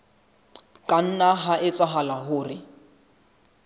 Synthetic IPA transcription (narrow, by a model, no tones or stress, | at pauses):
kʼan̩naɦaʔɪt͡sʼwaɦalaɦʊːrɪ